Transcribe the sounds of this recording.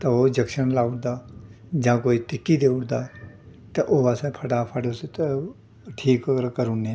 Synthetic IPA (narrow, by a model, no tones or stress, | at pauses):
t̪ɐod͡ʒɐkʃənlaːʊʈd̪aː | d͡ʒãːkoːit̪ɪkːid̪eːʊɽd̪aː | t̪ɐʔoːɐsẽpʰɐʈapʰəɖoset̪ | ʈʰiːkɐɡəɾkəɾunẽː